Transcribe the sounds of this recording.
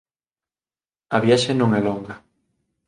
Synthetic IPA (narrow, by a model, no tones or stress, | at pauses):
ɐβjaʃenõŋɛlɔŋɡɐ